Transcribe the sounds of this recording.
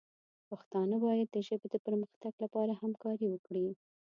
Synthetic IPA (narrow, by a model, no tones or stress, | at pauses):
pəxt̪ɑnabɑjad̪ːəʒəbed̪əpəɾməxt̪aɡlapɑɾahamkɑɾiwəkɽi